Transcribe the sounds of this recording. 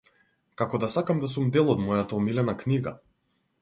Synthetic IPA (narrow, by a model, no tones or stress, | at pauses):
kakɔd̪asakamd̪as̬umd̪ɛlˠɔd̪mɔjat̪aɔmilɛnakniɡa̰